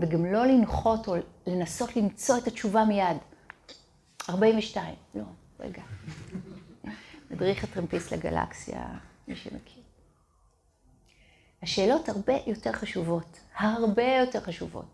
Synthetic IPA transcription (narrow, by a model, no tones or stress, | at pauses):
veɡamlo̞linχo̞to̞le̞naso̞tlimt͡so̞etat͡ʃuvamijad | aʁbaimveʃtaimlo̞ | ʁḛɡa | nadʁiχatʁempislḛɡa̰la̰ksija̰miʃḛmekʰiʁ | haʃe̞ːlo̞thaʁbe̞jo̞te̞ʁχaʃuvo̞thaʁbe̞jo̞te̞ʁχaʃuvo̰t